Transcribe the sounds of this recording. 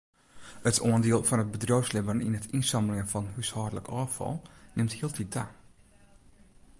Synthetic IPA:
ətʰoəndiəlˠfɔnət̚bədrowslɪbənḭnətinsɑməlɪŋənfɔnhyshɔdələkʰɔːfɔ̰lˠnɪmthiəlˠtʰit̚da

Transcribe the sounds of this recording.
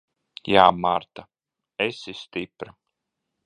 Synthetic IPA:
jaːmaɾt̪a | esist̪ipɾa

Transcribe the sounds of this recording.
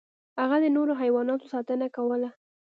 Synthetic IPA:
haɣad̪ənoɾoɦajwɑnɑt̪osɑt̪ənakawəla

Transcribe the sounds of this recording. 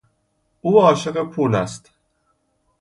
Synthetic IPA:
ʔuːɒːʃe̞ɢepʰuːlæst̪

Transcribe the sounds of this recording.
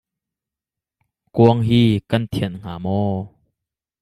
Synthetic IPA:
kuəŋɦiːkɐnt̪ʰɛnŋ̥aːmɔː

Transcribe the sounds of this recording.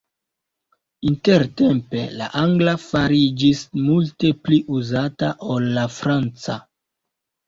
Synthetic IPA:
inte̞ɾte̞mpe̞̰la̰ʔaŋɡlafaɾid͡ʒismulte̞pliʔuzataʔo̞lːafɾant͡sa

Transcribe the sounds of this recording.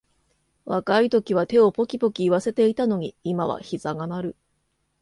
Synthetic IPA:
βakait̪o̞kʲiβ̞at̪e̞o̞po̞kʲipo̞kʲiːβase̞t̪e̞it̪ano̞ɲ̟iimaβa̰çiz̥aɡanaɾɯ̟

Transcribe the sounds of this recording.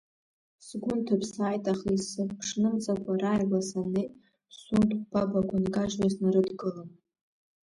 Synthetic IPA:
sɡʷʊntʰapʰsaːjtʼaχisɨpʰʂnɨmt͡sʼakʷaɾaːjbasanej | suntʰʼb̥abaɡʷʼanɡaʒlaznɨɾɨdɡɨlɨn

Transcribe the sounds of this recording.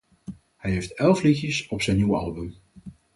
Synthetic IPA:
hɛjɦejftɛlˠflixjəsɔpsɛjnːiwəɑ̰lˠbəm

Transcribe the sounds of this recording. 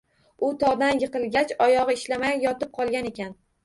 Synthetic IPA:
ʊt̪ʰɒʁd̪anjɨqɨlˠɡʲat͡ʃɒjɒʁɨɪʃlamajjɒt̪ɪp̚qʰɒlˠɡʲane̞kʲan

